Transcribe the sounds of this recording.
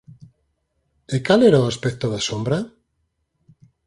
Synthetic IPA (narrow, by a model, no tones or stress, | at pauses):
ɪkalɛɾaoaspɛk̚t̪oðasombɾa